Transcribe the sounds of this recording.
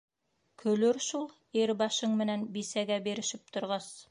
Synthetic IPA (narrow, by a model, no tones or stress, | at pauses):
kʰɵ̆lɵɾʃulˠ | eɾbɑʃɤɴmɘ̆nænbisæɡæbiɾɘ̆ʃɘp̚t̪ŏɾʁɑs